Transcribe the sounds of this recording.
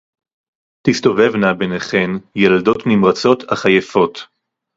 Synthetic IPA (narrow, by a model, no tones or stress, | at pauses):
tist̪o̞ve̞vnabeneχe̞njalado̞t̪nimʁat͡so̞t̪aχajefo̞t